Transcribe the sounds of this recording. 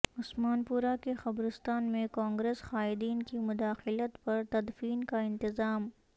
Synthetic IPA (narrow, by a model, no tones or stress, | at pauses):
ʊsmaːnpuːɾakexɐbɾɪst̪aːnmẽkãːŋɡɾeːsxaːɪd̪iːnkimʊd̪aːxɪlət̪pɐɾt̪ɐd̪fiːnkaɪ̃nt̪ɪzaːm